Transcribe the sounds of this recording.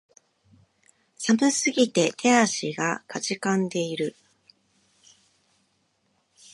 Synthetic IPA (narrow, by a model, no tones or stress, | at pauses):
sabɯ̟sɨɡʲit̪e̞t̪ʰe̞aɕiɡakat͡ɕikãnd̪e̞iɾɯ̟